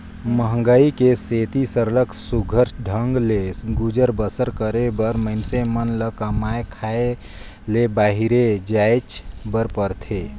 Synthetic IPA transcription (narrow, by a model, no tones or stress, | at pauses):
məɦəŋɡəikeset̪isəɾləksuɡʱəɾsɖʱəŋɡleɡud͡ʒəɾbəsəɾkəɾebəɾməɪnsemənləkəmaekʰae | lebaːɦiɾed͡ʒaet͡ʃbəɾpəɾt̪ʰe